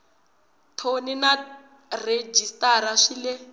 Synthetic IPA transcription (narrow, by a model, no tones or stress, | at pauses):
tʰonina | red͡ʒistaɾaʂilɛ